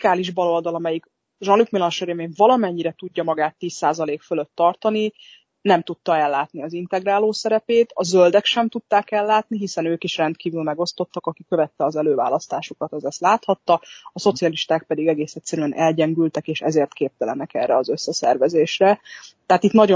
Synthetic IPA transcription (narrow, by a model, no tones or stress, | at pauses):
aːliʒbɒlo̞ld̪ɒlɒmɛjik | ʒɒnlykmilɒnʃøɾeːveːɱvɒlɒmɛɲːiɾɛt̪uɟːɒmɒɡaːt̪ːiːsːaːzɒleːkføløt̪ːɒrt̪ɒni | nɛmt̪ut̪ːɒɛlːaːt̪niɒzint̪ɛɡɾaːloːsɛɾɛpeːt̪ɒzøld̪ɛkʃɛmt̪ut̪ːaːkɛlːaːt̪̚niɦisɛnøːkiʃrɛnt̪̚kiːvylmɛɡo̞st̪o̞t̪ːɒkɒkikøvɛt̪ːɛɒzɛløːva̰ːlɒst̪aːʃukɒt̪ɛzɛst̪laːt̪hɒt̪ːɒɒso̞t̪siɒliʃt̪aːk̚pɛd̪iɡɛɡeːsɛt̪sɛɾyɛnʔɛlɟɛŋɡylt̪ɛkeːʃɛ̰zeːrt̪keːp̚t̪ɛlɛnɛkɛ̰rːɛɒzø̞sːɛsɛ̰rvɛzeːʃrɛt̪ɛɦat̪it̪nɒɟo